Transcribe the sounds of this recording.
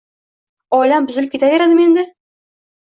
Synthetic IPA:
ɒjlambʊzɪlɪp̚kʲe̞t̪aveɾad̪ɪme̞nd̪ɪ

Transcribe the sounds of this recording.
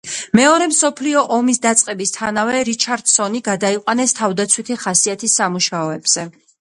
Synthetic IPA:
mɛɔɾɛmsɔpʰliɔʔɔmisd̪at̪sʼqʼɛbist̪ʰanavɛɾit͡ʃʰaɾd̪̥sɔniɡad̪aiqʼwanɛst̪ʰavd̪at̪sʰwit̪ʰiχasiat̪ʰisːamuʃaɔɛbz̥ɛ

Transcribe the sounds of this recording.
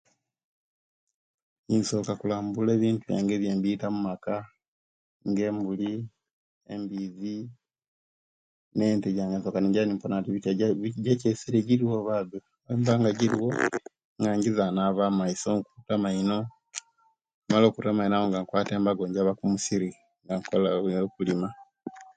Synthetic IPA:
inso̞kakulaːmbule̞ːβiːntuja̰ːŋɡeβjeːmbiːtamumaka | ŋɡe̞ːmbuli | ḛmbiːzi | ne̞ːnteɟaːŋɡenso̞kaneɲɟaβnimponatiβiaɟecesiɾeɟiɾiwoβaðu | embaːŋɡaɟiɾiwo | ŋɡaɲɟizanaβaːmaisokutamaino | malo̞ːkutamainaβoŋɡaŋkwaːteːmbaɡoɲɟaβakumusiɾi | ŋɡaŋkolakulima

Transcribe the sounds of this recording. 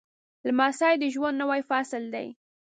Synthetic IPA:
lmɑsɑjd̪əʒwand̪nawajfɑsɪld̪a̰j

